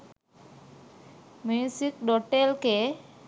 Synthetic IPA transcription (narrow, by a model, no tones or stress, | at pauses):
musikɖɔʈelke